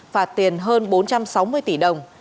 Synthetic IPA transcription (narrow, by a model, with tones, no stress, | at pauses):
faː˨˩t̪i˨˩ənɦəː˧nɓo˨˦nt͡ɕa˧msa˨˦wmɨ˧əjt̪i˧˩ɗə˨˩wŋ͡m